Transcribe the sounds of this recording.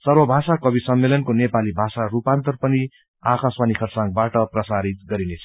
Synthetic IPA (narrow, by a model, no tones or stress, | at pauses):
sʌrwʌbʱasakʌbisʌmːelʌnkonepalibʱasaɾupant̪ʌrpʌni | akʰaswanikʰʌrsãŋɡbaʈʌprʌsaɾit̪̚ɡʌɾinet͡sʰʌ